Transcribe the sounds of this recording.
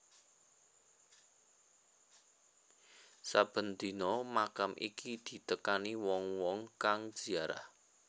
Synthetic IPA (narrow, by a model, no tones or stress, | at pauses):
sab̥ə̤nd̪i̤nɔmakamʔḭkid̪̥i̤t̪əkaniwɔŋwɔŋkaŋ̥ʒ̥iaɾa̰h